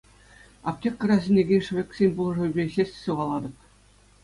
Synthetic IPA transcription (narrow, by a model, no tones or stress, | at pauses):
ɑ̰p̚t̪ʲekʲkːɤ̆rɾɑzʲĕnʲeɡʲenʲʂ̆ʋʲekʲsʲenʲbulˠɤ̆ʐɤ̆ybʲeɕʲesʲtʲsuʁɑlˠɑd̪ɤ̆p̚